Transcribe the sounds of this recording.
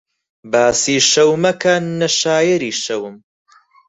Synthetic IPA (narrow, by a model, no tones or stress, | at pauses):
baːsiːʃɐwmɐkʰɐnɐʃaːjɐɾiːʃɐwm